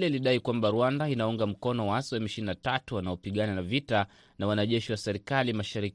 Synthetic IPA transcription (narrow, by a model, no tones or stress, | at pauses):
lɛliɗaikwambaɾuwandainauŋɡam̩kɔnɔwaaswɛmiʃininatatuwanaɔpiɠananavita | nawanaʄɛʃiwasɛɾikalimaʃaɾik